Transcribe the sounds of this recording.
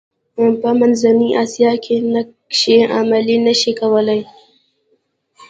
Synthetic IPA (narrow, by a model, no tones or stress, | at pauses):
pəmanzaniʔɑsijɑkʰena | ʃeʔa̰malinəʃikawəlaj